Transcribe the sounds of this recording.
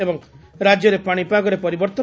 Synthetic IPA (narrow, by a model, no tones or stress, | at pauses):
ebɔŋɾad͡ʒjɔɾepaɽ̃ipaɡɔɾepɔɾibɔɾt̪ɔ